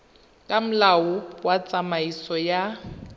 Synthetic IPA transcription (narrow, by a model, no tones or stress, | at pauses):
kʼam̩laʊwat͡sʼamaisɔja